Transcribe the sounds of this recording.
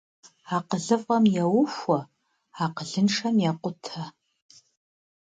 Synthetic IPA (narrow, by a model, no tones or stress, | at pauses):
aqəɮɨfʼɐmjawʊʃʷɐ | aqəɮɨnʂɐmjaqʷʊtʰa